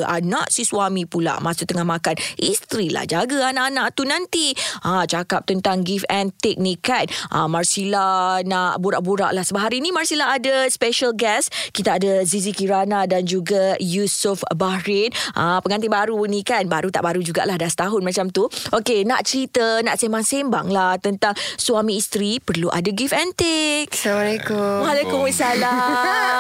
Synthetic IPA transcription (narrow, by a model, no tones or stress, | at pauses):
ʔa̰naʔsiswamĩpula̰mãsʊk̚t̪əŋahmakanist̪ɾila̰hd͡ʒaɡəanaʔanaʔt̪unãnt̪iat͡ʃakap̚t̪ənt̪aŋɡifɛnt̪ɪk̚nĩkanʔa̰marsilanaʔbuɾaʔbuɾa̰ʔlahsəbəɦaɾinimarsilaːdaspeʃəlɡɛskit̪aadazizikiɾanadand͡ʒuɡajusufbahɾɪnʔapəŋant̪̬ibaɾunikanbaɾut̪a̰ʔbaɾud͡ʒuɡa̰ʔlahdast̪aɦʊnmãt͡ʃamt̪uʔokenaʔt͡ʃəɾit̪ənaʔsemaŋsemba̰ŋlaht̪ənt̪aŋswamiːst̪ɾipərluʔa̰daɡifɛnt̪ɪk̚samalekʊwalekʊmasala